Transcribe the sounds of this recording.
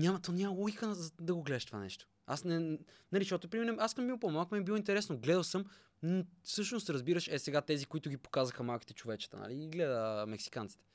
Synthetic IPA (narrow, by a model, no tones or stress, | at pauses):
nʲamɐt̪onʲamɐlˠɔɡixənɐzɐd̪ɐɡoɡlɛd̪əʃt̪o̥va̰nɛ̰ʃt̪o̥ | a̰snɛnɐliʃt̪ɔt̪ʊpɾimɛnoaskəmmiopomalˠkmɛbilˠɔint̪ɛɾɛsnoɡlɛd̪əlˠsɤm | nofsɤʃnost̪ɾɐzbiɾəʃɛsɛɡat̪ɛzikoit̪ʊɡʲipo̥kazəxəmalˠkit̪ɛt͡ʃovɛt͡ʃə̥t̪ə̰na̰liːɡlɛd̪əmɛksi̥kant̪si̥t̪ɛ̥